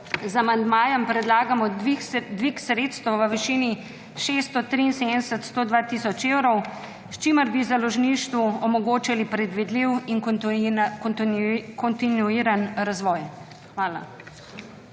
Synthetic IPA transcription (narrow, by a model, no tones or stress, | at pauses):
zamand̪maːjəmpɾɛd̪laːɡamɔd̪ʋiksɾeːt̪st̪əwʋəʋiʃiːni | ʃest̪ɔt̪ɾiːnsed̪nɛsət̪st̪oːd̪ʋat̪isɔt͡ʃeːwɾɔw | st͡ʃiməɾbizalɔʒniːʃt̪ʋuɔmɔɡoːt͡ʃalipɾɛd̪ʋid̪liwin | kɔnt̪inuiːɾanɾazʋɔj | xʋaːla̰